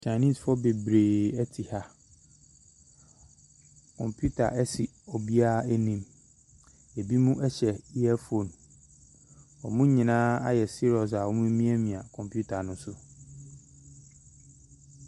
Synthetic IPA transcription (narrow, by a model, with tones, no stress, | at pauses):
t͡ɕʰã˨nĩ˦sfɔ˦be˨bɾeː˨ɛ˦tʰi˨ha˦ | kʰɔ̰̃˨mpʰju˦tʰa̰˨ʔɛ˦si˨ | ɔ˨bi˦a˦æ˦nĩ˨m | e˨bi˦mũ˦ʔɛ˦ɕɛ˨i˦ɛ˦fo˨n | ɔ˨mũ˦ɲĩ˨nãː˦a̰˦jɛ˨si˦ɾɔ˨s̬a˨wɔ˦mũ˦mĩ˦æ˦mĩ˨ã˨kʰɔ̃˨mpʰju˦tʰa˨nʊ̃˦sʊ˦